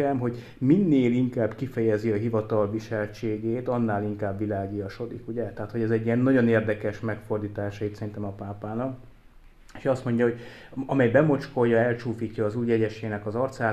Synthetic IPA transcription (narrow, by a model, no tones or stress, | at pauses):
ɛmɦo̞ɟ | minːeːliŋkaːbkifɛjɛziɒɦivɒt̪ɒlviʃɛlt͡ʃeːɡeːt̪ɒnːaːliŋkaːbːilaːɡijɒʃo̞d̪ḭkuɟɛt̪ɛɦaːt̪ho̞ɟɛzɛɟːijɛnːɒɟo̞neːrd̪ɛkɛʃmɛkfo̞rd̪iːt̪aːʃɒit̪sɛrint̪ɛmɒpaːpaːnɒk | e̥ːʃɒst̪mo̞ɲɟɒɦo̞ɟɒmɛjbɛmo̞t͡ʃko̞jːɒɛlt͡ʃuːfiːcːɒːzuːjɛɟɛʃeːnɛkɒzɒrt̪saː